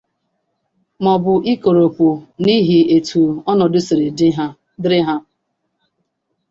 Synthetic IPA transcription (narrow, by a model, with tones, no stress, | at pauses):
mɔ˨bʊ˨ʔi˦ko˨ɾo˨pu˨ni˦ɦi˨e˨tʰu˨ɔ˦nɔ˨dʊ˦sɪ˨ɾɪ˨dɦa˦ | dɪ˦ɾɪ˦ɦa˦